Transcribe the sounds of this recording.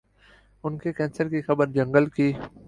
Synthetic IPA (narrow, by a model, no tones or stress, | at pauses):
ʊnkekɛ̃ːnsəɾkixɐbəɾd͡ʒɐ̃ŋɡəlkiː